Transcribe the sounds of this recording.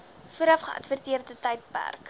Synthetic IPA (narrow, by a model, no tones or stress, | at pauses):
fuəɾɐfχəʔɐ̰tvərtiərdətɛjt̚pæ̰rk